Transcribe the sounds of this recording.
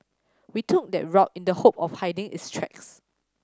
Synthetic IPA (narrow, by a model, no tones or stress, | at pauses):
witʰʊk̚dɛ̰t̚ɹɔkĩndəhop̚ɔfhaɪdɪ̃ŋɪ̰tstʰɹɛ̰ks